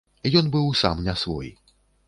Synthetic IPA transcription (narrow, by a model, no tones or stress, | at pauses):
ijɔnbɨwsa̰mnʲasvɔ̰j